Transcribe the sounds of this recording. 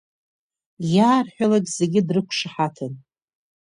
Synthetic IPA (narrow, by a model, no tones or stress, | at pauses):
jaːrħʷᶣalaɡʲze̞ɡʲɪdrɨkʷʰʂaħatʰɨn